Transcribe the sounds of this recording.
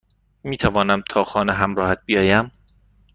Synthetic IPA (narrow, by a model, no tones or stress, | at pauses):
miːt̪ʰævɒːnæmt̪ʰɒːxɒːneɦæmɾɒːhæt̪̚bijɒːjæm